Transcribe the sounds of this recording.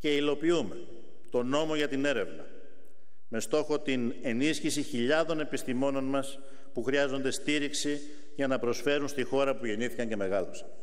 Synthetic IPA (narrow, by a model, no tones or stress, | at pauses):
ce̞ilo̞piume̞ | t̪o̞no̞mo̞ʝɐt̪ine̞ɾe̞vnɐ̰ | me̞st̪o̞xo̞t̪ine̞nisçisiçiʎɐðo̞ne̞pist̪imo̞no̞nmɐs | puxɾiɐzo̞nd̪e̞st̪iɾiksi | ʝɐnɐpɾo̞sfe̞ɾunst̪ixo̞ɾɐpuʝe̞niθikɐɲce̞me̞ɣɐlosɐ̥n